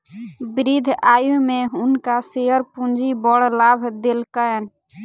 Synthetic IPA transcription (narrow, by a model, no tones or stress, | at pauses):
bɾid̪ʱajumeunkaseɦəɾpund͡ʒibɔɽlabʱd̪elkəɛn